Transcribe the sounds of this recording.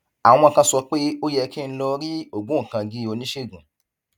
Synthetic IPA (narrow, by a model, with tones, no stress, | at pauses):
ã˨˧ɔ̃˧˨kã˧sɔ˧k͡pe˦o˦jɛ˧ki˦˧˦lɔ˧ɾi˦o˦˨ɡũ˨˦˨kã˧ɡi˨˦o˧nĩ˦ʃe˦˨ɡũ˨